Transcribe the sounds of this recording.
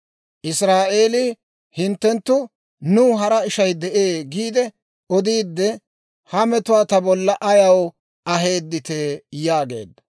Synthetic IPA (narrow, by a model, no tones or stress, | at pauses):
ʔɪsɾaːʔe̞ːlɪ | hɪnt̪ːɛnt̪ːʊ | nʊːɦɐɾɐɪʃɐjd̪ɛʔeːɡiːd̪ɛ | ɔd̪iːd̪ːɛ | hɐmɛt̪ʊwaːt̪ɐbɔlːɐʔɐjɐw | ʔɐɦe̞ːd̪ːɪt̪eːjaːɡe̞̰ːd̪ːɐ̥